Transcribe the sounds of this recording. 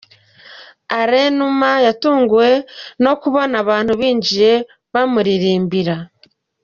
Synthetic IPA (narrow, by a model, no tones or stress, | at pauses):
aɾenumajatuːŋɡuwe̞no̞kuβonaβaːn̥huβiːɲd͡ʒiɾe̞ | βamuɾiɾiːmbiɾa